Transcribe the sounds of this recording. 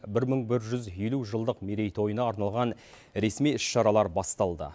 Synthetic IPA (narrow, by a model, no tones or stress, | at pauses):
bɪɾməɴbɪɾʒʏzeluʒəlˠd̪əqmeɾe̞jt̪ʰo̞jənɑːɾnɑlˠʁɑn | ɾe̞smijʏʃʃɑɾɑlˠɑɾbɑst̪ɑlˠd̪ə̰